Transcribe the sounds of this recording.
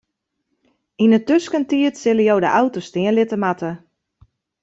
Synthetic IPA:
inətøskəntiətsɪləjowdə̰ʔawtostɪənlɪtəmatə

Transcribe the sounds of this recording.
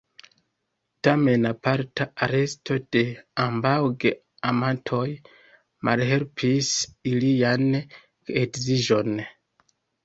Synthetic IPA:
tame̞napaɾtaaɾe̞stʰo̞d̥e̞ambawɡe | amantʰo̞j | ma̰lɦelpʰisilian | ekziʒo̞n

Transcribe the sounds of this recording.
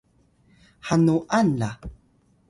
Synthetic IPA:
ħanuʔana

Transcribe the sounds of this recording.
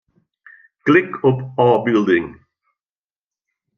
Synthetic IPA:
ɡ̥lɪkʰɔpɑːbɪld̪ɪŋ

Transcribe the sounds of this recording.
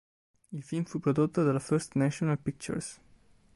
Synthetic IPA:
ilfilmfupɾod̪ot̪ːod̪alafɛɾst̪nɛʃonalpik̚t͡ʃṵɾs

